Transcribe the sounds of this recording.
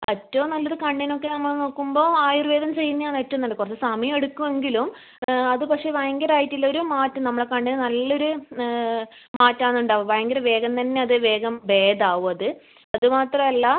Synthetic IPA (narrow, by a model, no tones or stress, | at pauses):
ɐtːɐʋumnɐlːoɾukɐɳɖino̞kːe̞nɐmːɐɭno̞ːkːumbo̞ːaːjurʋeːðɐmt͡ɕe̞jːunːɐjaːnetːɐnːɐɳɖkurɐt͡ɕːesɐmijmeɽukːume̞ŋɡilum | ɐðɨpɐkʂe̞ːʋajɐŋɡɐɾaːjitːilːɐoɾumaːtːunɐmːɐɽekɐɳɖinnɐlːo̞ɾu | maːtːaːnːuɳɖaːʋuʋɐjɐŋɡɐɾʋe̞ːɡɐnt̪ɐnːe̞ɐðɨʋe̞ːɡɐmʋe̞ːd̪aːʋuɐðɨ | ɐðɨmaːt̪rɐmɐlːɐ